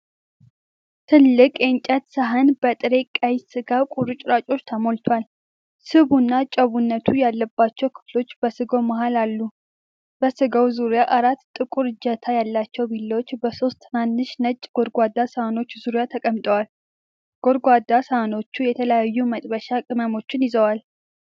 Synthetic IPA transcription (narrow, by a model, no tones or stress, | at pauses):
t̪ʰɨlːɨkʼjent͡ʃʼət̪səɦənbət̪ʼɨɾe̞kʼəjsɨɡakʼuɾɨt͡ʃʼɾat͡ʃʼo̞t͡ʃːt̪ʰəmolt̪ʰoal | sɨβunːat͡ʃʼəβunːət̪ʰujalːəbːat͡ʃːɛwkʰɨ̥flo̞t͡ʃːbəsɨɡo̞mahalalːu | bəsɨɡəwzuɾjaʔaɾat̪ːt̪ʼɨkʼuɾɨd͡ʒət̪ʰajalːat͡ʃːɛwbilːəwot͡ʃːbəso̞st̪manːɨʃnət͡ʃʼːɡ̥o̞ɾɡʷad̪ːasəhano̞t͡ʃːzuɾjat̪ʰəkʼəmt̪ʼəwal | ɡ̥oɾɡʷwad̪asəhano̞t͡ʃːujɛt̪ʰələjajːumət̪ʼbəʃakʼɨməmo̞t͡ʃːɪnjɪzəwal